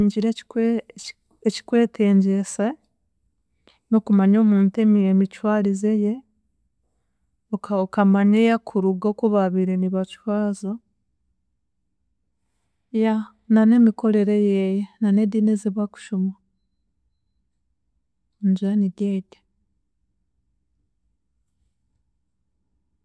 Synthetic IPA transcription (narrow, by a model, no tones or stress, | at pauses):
ɲɟiɾe | eci̥kwe̞ːtʰeːɲɟese | nokumaɲoːmuːntememit͡ʃwaːɾizeje | okokamaɲejakʰuɾuɡokuβaβiɾe̞niβat͡ʃwaːzo | ja | nane̞miko̞ɾe̞ɾejejenane̞dinezeβwaku̥ʃumwa | ɲd͡ʒuaniɟeːɟe